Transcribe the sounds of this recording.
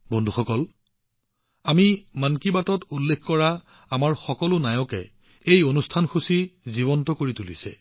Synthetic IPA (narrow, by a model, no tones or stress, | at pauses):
bɔndʱuxɔkɔl | amimankibatɔtulːekkɔɹa | amaɹxɔkɔlʊnajɔkɛ | ejonustʰanxusiziβɔntɔkoɹitulisɛ̰